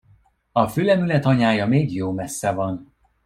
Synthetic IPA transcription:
ɒfyːlɛmylɛt̪ɒɲaːjɒmeːɡjoːmɛsːɛvɒn

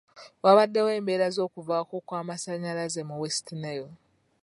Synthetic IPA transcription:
waβadːe̞we̞ːmbe̞ːɾazo̞ːkuvaːko̞kwaːmasaɲalazemuwestinejo

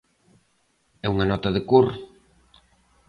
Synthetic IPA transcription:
ɛuŋɐnɔt̪ɐðɪkuɾ

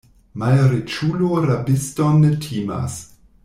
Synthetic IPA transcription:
malɾet͡ʃuloɾabistonːetʰiːma̰s

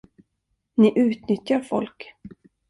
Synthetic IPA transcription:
nɪʔʉ̟ːt̪nʏt̪jaɾfɔ̰lk

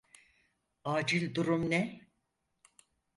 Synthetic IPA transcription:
aːd͡ʒilʲd̪uɾumnɛ

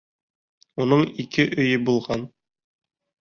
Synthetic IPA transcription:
unɤɴikɘʔɵ̆jɵbulˠʁɑn

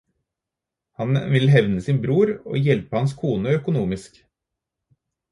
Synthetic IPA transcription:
hɑnʋɪlɦɛʋnəsɪːnbɾuːɾo̰ːjɛlpəhɑnskʰuːnəœkʊnuːmɪsk

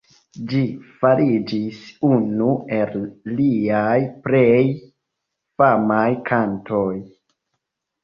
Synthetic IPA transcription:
d͡ʒifaɾid͡ʒisunue̞lːiajpɾej | famajkʰantʰoj

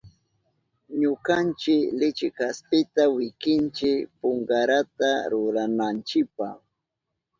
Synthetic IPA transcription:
ɲʊkant͡ʃɪklɪt͡ʃɪkaspɪt̪awɪkɪnt͡ʃɪkpʊŋɡaɾat̪aɾʊɾanant͡ʃɪpah

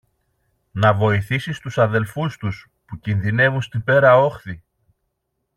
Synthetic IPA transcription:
nɐvo̞iθisist̪usɐðe̞lfust̪us | pucinðine̞vunst̪ibe̞ɾɐo̞xθi

